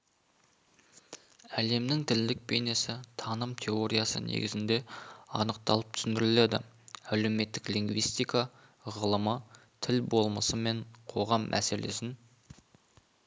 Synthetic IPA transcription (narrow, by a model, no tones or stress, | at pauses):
æle̞mnɪŋt̪ʰɪld̪ɪk̚pʰe̞jne̞sɪt̪ʰɑnəmt̪ʲʰe̞o̞ɾʲijasə̰nʔḛɡʲɪzɪnd̪e̞ɑ̰nəq̚t̪ɑ̰lˠəp̚t̪ʰʏsɪnd̪ɪɾɪle̞d̪ɪ̰ | æle̞wme̞t̪ːɪklʲiŋɡvijst̪ijka | ʁəlˠəmə | t̪ʰɪlbo̞lˠməsəme̞ɴqʰo̞ʁɑmːʔæ̰se̞le̞̰sɪn